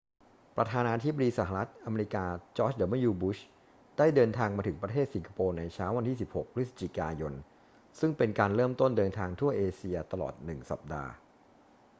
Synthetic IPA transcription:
pɾa˧t̪ʰaː˧naː˧t̪ʰi˦˥ba˧diː˧sa˩˦ɦa˧ɾa˦˥t̪̚ʔa˧meː˧ɾi˦˥kaː˧t͡ɕɔː˦˥t͡ɕdəː˨˩˦ma˥˩juː˧bu˦˥ɕ | d̥aː˥˩jdɤː˧nt̪ʰaː˧ŋmaː˧t̪ʰɯ˩˦ŋpɾa˧t̪ʰeː˥˩t̪̚si˩˦ŋkʰḁ˧poː˧na˧jt͡ɕʰaː˦˥wa˧nt̪ʰiː˥˩si˨˩p̚ho˨˩k̚pʰɾi˦˥t̪̚sḁ˦˧t͡ɕi˨˩kaː˧jo˧n | sɯ˥˩ŋpe˧nkaː˧nɾɤː˥˩mt̪o˥˩ndɤː˧nt̪ʰaː˧ŋt̪ʰu˥˩ɐʔeː˧si˧ɐt̪a˧lɔ̰ː˨˩t̪̚nɯ˨˩ŋsa̰˨˩p̚da̰ː˧

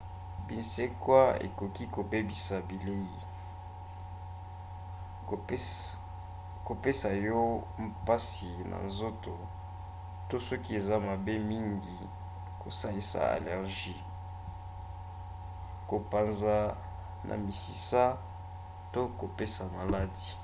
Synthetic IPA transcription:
bi˨nse˦kwa˦ḛ˨kɔ˨ki˦ko˨be˦bi˨sa˨bi˨le˦ji˨ | ko˨pe˦sa˨jɔ˦mpa˦si˨nʔa̰˨nzo˦to˨ | to˦sɔ˦ki˦e˨za˦ma˨be˦mi˦ŋɡi˨ | ko˨sa˦li˦sa̰˨a̰˨lɛ˨ʁʒi˦ | ko˨pa˨nza˦ | nʔa̰˨mi˨si˨sa˦ | to˦ko˨pe˦sa˨ma˨la˦di˨

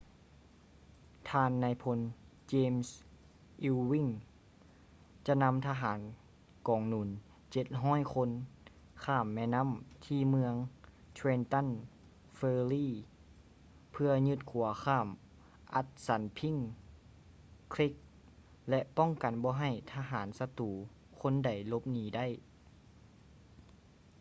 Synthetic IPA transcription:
t̪ʰaː˧nːaː˧jpʰo˧n | t͡ɕeː˧ms | ʔi˧wwi˧˥˨ŋ | t͡ɕa˧na˧˥mt̪ʰa˧ɦaː˨˦n | kɔː˨˩ŋnuː˨˩˦n | t͡ɕe˧t̪̚ɦɔː˧˥˨jkʰo˧n | kʰaː˧˥˩mːɛː˧˨na˧˥˨mt̪ʰiː˧˨mɯ˧əŋ | t̪ʰweː˧nt̪a˧˥˨n | feː˧liː˧˩˨ | pʰɯ˧ɐɲɯ˧t̪̚kʰu˨˩˦ɐxʰaː˧˥˩m | ʔa˧˦t̪̚sa˨˦npʰi˧˥˨ŋ | kʰli˦˥k̚ | lɛ˧ʔpɔ˥˨ŋka˨˩nbɔː˧ɦa˧˩jt̪ʰaː˧ɦaː˩˦nsa˧t̪uː˨˦ | kʰo˧˥˨nda˨˩jlo˧˦p̚niː˨˦da˥˩˨j

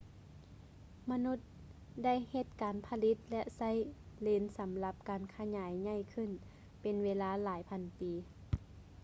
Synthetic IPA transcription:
ma˧nu˧˥t̪̚ | da˥˩˨jhe˧t̪̚kaː˨npʰa˧li˧˥t̪̚lɛ˧ʔsa˥˨j | leː˧˩nsa˨˦mla˧p̚kaː˨nkʰa˧ɲaː˨˦jɲa˧˥˩jkʰɯ˧˥˩n | pe˨nweː˧˥laː˧laː˨˦jpʰa˧˨npiː˨

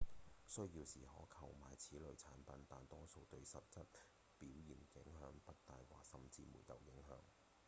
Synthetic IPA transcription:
sɵ˥ɥjiː˧wsiː˨˩hɔ̰ː˨˥kʰɐ˨˧wmaː˨jt͡sʰiː˨˥lɵ˨˧ɥt͡sʰaː˨˥npɐ˨˧np̪aː˨nt̪ɔː˥so˧wt̪ɵ˧ɥsɐ˨p̚t͡sɐ˥t̚ | piː˨˥wjiː˨˩nkɪ˨˥ŋɦœː˨˥ŋpɐ˥t̚t̪aː˧jwa̰ː˨sɐ˨mt͡siː˧mṵː˨˩jt̪ɐ˨wjɪ˨˥ŋɦœ̰ː˨˥ŋ

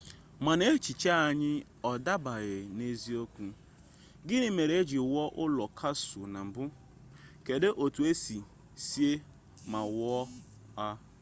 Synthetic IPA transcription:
ma˨ne˦t͡ʃi˨t͡ʃa˦a˨ɲɪ˦ | ɔ˨da˦ba˨ɣɪ˨ne˦zi˦o˦kʷu˦ | ɡɪ˦nɪ˦me˨ɾe˨e˦d͡ʒi˨wɔ˦ʔʊ˦lɔ˨kʰa˦sʊ˨na˨m̩˨bʊ˦ | ke˨de˦ʔo˨tu˨e˦si˨ | si˦e˦ | ma˨wɔ˦ | a˦

